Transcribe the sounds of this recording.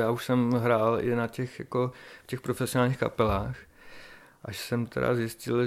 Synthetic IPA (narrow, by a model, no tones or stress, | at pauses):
jaːuʃsɛmɦɾaːlɪnacɛxja̰ko̞fcɛxpɾofɛsɪonaːlɲiːxka̰pɛlaːx | ʔaʃsɛmt̪ʰɛ̰ɾa̰zjɪscɪl